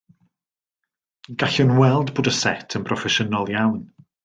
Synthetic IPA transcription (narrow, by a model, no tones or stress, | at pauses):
ɡ̥aɬʊnwɛlˠdboːdəsɛtʰənpʰrɔfɛʃənɔlˠjawn